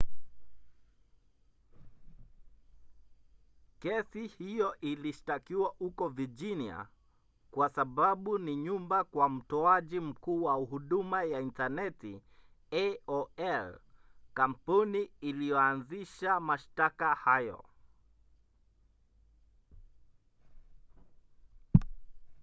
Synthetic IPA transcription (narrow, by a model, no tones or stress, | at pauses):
kɛsihijɔʔiliʃtakiwahukɔvid͡ʒinia̰ | kwasaɓaɓuniɲumbakwam̩tɔaʄim̩kuːwauhuɗumajaintanɛti | ɛɔɛlkam̩puniilijɔanziʃamaʃtakahajɔ̰